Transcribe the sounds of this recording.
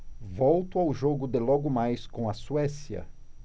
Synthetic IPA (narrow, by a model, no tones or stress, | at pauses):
vɔwt̪ʊawʒoɡʊd̪elɔɡʊmajskõw̃ɐsuɛsiɐ̰